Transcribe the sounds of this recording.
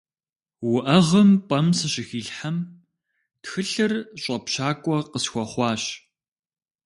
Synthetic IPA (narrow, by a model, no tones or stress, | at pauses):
wʊʔɐʁəmpʼɐmsɨɕɪxiːɬħam | txɨɬɨrɕʷʼɐpɕaːkʷʼɔqəsxʷɔχʷɑːɕ